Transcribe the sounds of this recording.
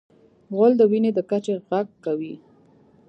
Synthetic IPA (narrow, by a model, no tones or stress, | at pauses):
ɣəld̪əwined̪əkat͡ʃeɣaɡ̚kawi